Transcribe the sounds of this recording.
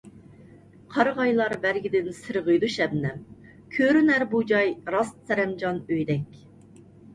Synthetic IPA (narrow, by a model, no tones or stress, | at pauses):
qʰɑɾəʁɑjlˠɑɾbæɾɡʲɪd̪ɪnsɨɾʁəjd̪uʃɛbnɛm | kʲʰøɾynæɾbud͡ʒɑjɾɑst̪sɛɾɛmd͡ʒɑnøjd̪ɛkʲ